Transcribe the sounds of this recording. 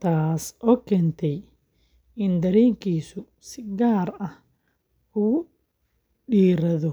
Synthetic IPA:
t̪ʰaːsʔɔːkʰɛːnt̪ʰɛj | ɪnd̪ɐɾɛːŋkʰiːsʊ | sɪɡaːɾɐh | ʊ | ɖiːɾɐðɔ

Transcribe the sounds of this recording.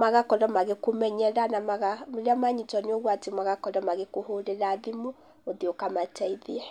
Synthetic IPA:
maɣakɔɾɔmaɣekomɛɲɛɾanamaɣamoɾeamaɲitɔneoɣwatemaɣakɔɾɔmaɣekoɦoɾeɾaðimo | oðiokamatɛiðiɛ

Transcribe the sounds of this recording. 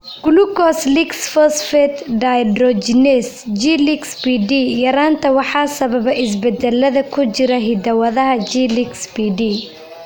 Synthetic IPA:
ɡ̥ʊlukɔsliksfɔsfɛt̪ɖajdɾɔd͡ʒnɛs | d͡ʒiːlɪksbiɖiːjɐɾaːnt̪ʰɐwɑħɑːsɐβɐbɐʔɪs̬bɛd̪ɛlːɐðɐkʰʊt͡ʃɪɾɐɦɪd̪ɐwɐðɐɦɐd͡ʒiːliksbiɖiː

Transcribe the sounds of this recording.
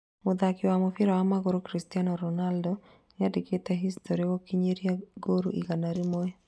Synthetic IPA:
mʊd̪akɪwamofɪɾawamaɡoɾokɾistianɔɾɔnaldɔ | ɲadiketaɦistoɾikɔkiɲeɾijaɡoɾuʔiɡanaɾimoe

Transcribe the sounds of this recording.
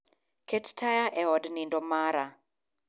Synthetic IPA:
kettajaʔɛɔdnindomaɾa

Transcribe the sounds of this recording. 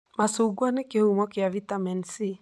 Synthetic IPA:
masuɡwanekehumɔkeavitamɛnsi

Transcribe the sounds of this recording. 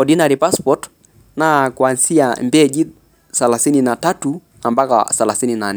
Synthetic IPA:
ɔɗinaɾipaspɔt | nakwansiambɛd͡ʒi | salasininatatu | ambaka̰salasininanɛ

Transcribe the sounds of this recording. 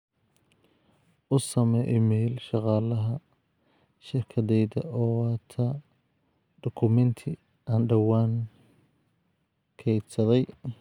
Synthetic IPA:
ʔʊsɐmɛjʔmɛjlʃɑqɑːlɐɦɐ | ʃɪrkʰɐðɛjðɐ̰ʔɔːɑːt̪ʰɐ | ɖ̪̥ɔkʰʊmɛnt̪ʰɪ | anɖɐwaːŋ | kʰɛjd̪sɐðɛj

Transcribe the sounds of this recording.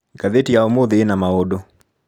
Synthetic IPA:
kaðetiaomoðeːnamaodo

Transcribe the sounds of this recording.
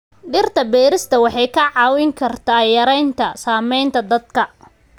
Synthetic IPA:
ɖɪrt̪ʰɐbɛːɾɪst̪ʰɐwɑħɑjkʰɐʕɑːwɪŋkʰɐrt̪ʰajɐɾɛjnt̪ʰɐsaːmɛjnt̪ʰɐd̪ɐd̪kʰɐ

